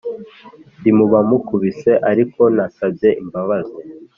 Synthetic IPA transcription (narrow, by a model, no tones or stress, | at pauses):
ndimuβamukuβise̞ʔaɾikʰo̞nasabje̞ʔimbaβaze